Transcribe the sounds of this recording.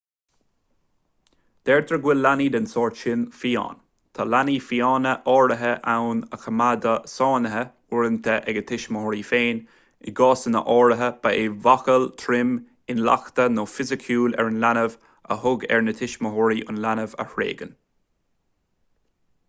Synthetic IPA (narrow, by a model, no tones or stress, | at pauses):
d̪̥ɛɹd̪ʰɾəɡwɪlːaniːd̪ənsɔːɹʃɪnfiːɑ̰ːn | t̪ʰalaniːfiɑːnəʔɔːɹəɦəʔawnəxəmad̪əsɑːnəɦə | ʊɹənt̪ʰəʔɛɡət̪ʰɪʃməhɔɾiːfeːn | ɪɡɑːsənə̰ʔɔːɹəɦəb̥aevaxəlt̪ʰɾɪm | ɪnla̰xt̪ənoːfɪzɪkʰjuːlɛ̰ɹənlanəv | ə̰hʊɡɛ̰ɹnət̪ʰɪʃməɦɔɹiʔʊ̰nlanəvə̰hɹḛːɡən